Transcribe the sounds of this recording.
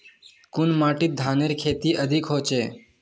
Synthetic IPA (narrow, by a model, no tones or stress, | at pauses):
kʊnmaːʈit̪̚d̪ʱaːneɾkʰeːt̪iːʔəd̪ʱikɦoːt͡ʃeː